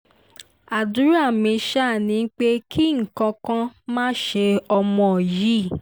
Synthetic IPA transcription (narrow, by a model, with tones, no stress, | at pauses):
a˨du˨˦ɾa˦˨mĩ˧ʃa˦˨nĩ˧n̩˦k͡pe˦kʰi˦ŋ̩˨kã˧kã˦mãː˦ʃe˧ɔ˧mɔ̃˧˨ji˦˨